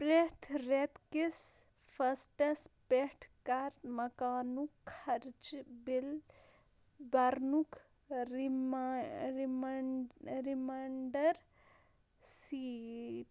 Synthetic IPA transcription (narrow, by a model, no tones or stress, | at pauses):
pɾet̪ʰɾet̪kis | fʰɐsʈɐspehʈʰkaɾt̪mɐkaːnukʰːɐɾt͡ʃbil | bɐɾnukʰ | m | ɾimɐɳɖɐɾ | siːʈ